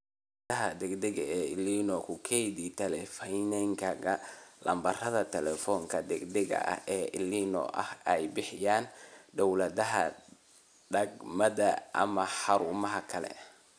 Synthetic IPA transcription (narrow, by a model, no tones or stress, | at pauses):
t̪ɐɦɐd̪ɛɡd̪ɛɣɐɛːɪliːnɔkʰʊkʰɛjd̪it̪ʰɛlɛfɛnɛŋkʰɐɡɐlɐ̰mbɐrɐðɐt̪ʰɛlɛfɔŋkʰɐd̪ɛɡd̪ɛɣɐ̰ʔɐ̰hʔɛːʔɪliːnɔ̰ʔɐhɛjbɪħɪjaːnd̪ɔwlɐðɐɦɐ̰ | ɖɐɡmɐðɐʔɐ̰mɐħɑɾuːmɐɦɐkʰɐlɛ̰